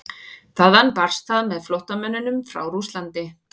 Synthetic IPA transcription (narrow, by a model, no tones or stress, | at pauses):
θaðhanpar̥st̪aðmɛðflowht̪amœnːʏnʏmfɾa̰wɾust̪lant̪ɪ